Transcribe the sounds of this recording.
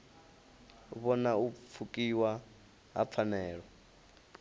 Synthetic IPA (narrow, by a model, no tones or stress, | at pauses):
βɔnaufʰukʼiwa | ɦa̰p̪fʰanɛːɺɔ